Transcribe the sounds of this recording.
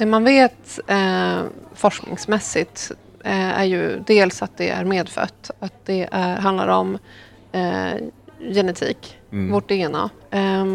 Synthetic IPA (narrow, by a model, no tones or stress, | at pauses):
d̪̥ɛmanveːt̪ | fɔʂknɪ̰ŋsmɛsːɪt̪ | æ̰ɾjɵ̰d̪eːlsat̪̚d̪ɛæ̰ɾmeːd̪fœ̰t̪ːat̪̚d̪ɛʔæɾɦand̪la̰ɾɔm | jɛnɛt̪ʰḭːkvoʈ̪ːeːna̰